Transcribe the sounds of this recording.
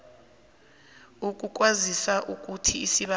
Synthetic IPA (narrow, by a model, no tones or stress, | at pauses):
uk̬ʼuk̬ʼwazisaʔuk̬ʼutʰiːsiɓa